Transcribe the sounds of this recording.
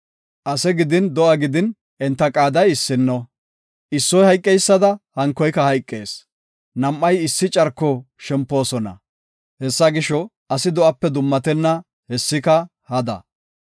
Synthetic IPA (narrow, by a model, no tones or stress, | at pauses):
ʔɐsɛɡɪd̪ɪnd̪ɔʔɐɡɪd̪ɪn | ʔɛnt̪ːɐkʼaːd̪ɐjɪsːɪnːɔ | ʔɪsːɔjhɐjkʼːɛjsːɐd̪ɐhɐŋkːɔjkɐhɐjkʼːe̞̰ːs | nɐmʔːɐjɪsːɪt͡ʃʼɐɾkːɔ | ʃɛmpːo̞ːsɔnɐ̰ | hɛsːɐɡɪʃɔ | ɐsɪd̪ɔʔɐpːɛd̪ʊmːɐt̪ɛnːɐ | hɛsːɪkɐ | hɐd̪ɐ̰